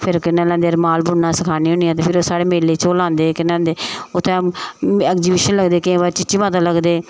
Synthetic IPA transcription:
pʰɪɾkɪnãːlãːd̪eːəɾmaːlbʊnːãːsəkʰaːniːɦʊ̃ːɳiːãːt̪eːpʰɪɾoːsaːɽeːmeːleːt͡ʃoːlãːnd̪eːkɪnãːd̪eːʊt̪ʰːɛ̃ːɛːkziːbiːʃənləɡd̪eːkːbaːɾt͡ʃɪt͡ʃiːmãːt̪aːləɡd̪eː

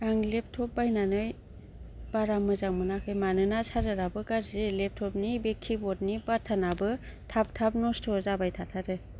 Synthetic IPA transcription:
aŋlep̚tʰɔp̚bajnanɯj | b̥aɾamɯzaŋmɯnakʰɯjmanɯnasaɾɯɾabɯkaɾzelep̚tʰɔp̚nibekʰibɔt̚nibatʰanabɯtʰap̚tʰap̚nɔstʰɔzabajtʰatʰaɾɯ

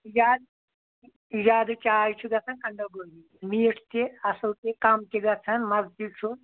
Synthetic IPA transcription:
id͡ʒaːd̪ | id͡ʒaːd̪ɨt͡ʃʼaːjt͡ʃʰuɡɐt͡sʰɐnkɐɳɖoːɡoni | miːʈt̪iɐsɐlt̪ikɐmt̪iɡɐt͡sʰɐnmɐzt̪it͡ʃʰu

